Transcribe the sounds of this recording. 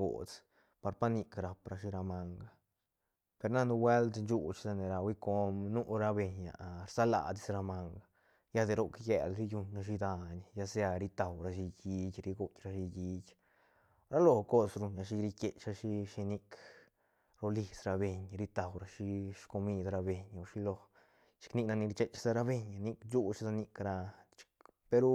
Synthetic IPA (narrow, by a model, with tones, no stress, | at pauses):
ɡo̰˨t͡s | pa˧ɾpa˦ni˧kɾa˨pɾa˧ʃi˧ɾa˧ma˧ŋɡa˨ | pe˧ɾna˦nu˧wʷe˦lt̪nt͡ʃu˧t͡ʃsa˧ne˨ɾa˧wi˦ko˧mnu˦ɾa˧be˧ɲa̰˨ɾsa˦la̰˨d̪i˧sɾa˧ma˧ŋɡa˨ | ja˦d̪e˧ɾo˦˧kjḛ˨lɾi˦ju˧ɲɾa˧ʃ̬i˧d̪a˧ɲja˦˧sja˧ɾi˧t̪a˨wɾa˧ʃi˧ɡi˧ɡʲɾi˧ɡu˧kʲɾa˧ʃi˧ɡi˧ɡʲ | ɾa˦lo˧˨ko˦sɾu˧ɲa˧ʃi˧ɾi˧ke˨t͡ʃa˧ʃi˧ʃi˧ni˧k | ɾo˧li˧sɾa˧be˧ɲɾi˧˦t̪a˨wɾa˧ʃi˧ʃko˧mi˧d̪ɾa˧be˧˨ɲa˧ʃi˧lo˧ | t͡ʃi̥˧kni˧kna˧ni˧ɾi˧t͡ʃe˦t͡ʃsa˧ɾa˧be˧ɲa˧ni˦˧kd͡ʒu˦t͡ʃsa˧ni˧kɾa˧t͡ʃi̥˧k | pe˧ɾu˦